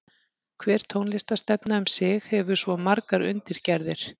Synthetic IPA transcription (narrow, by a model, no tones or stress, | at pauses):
kʰvɛːɾ̥t̪ʰoːwnlɪst̪ast̪ɛpnaʏmsɪxhɛvʏsvɔmaɾkaɾʏ̰nt̪ɪɾ̥cɛɾðɪɾ̥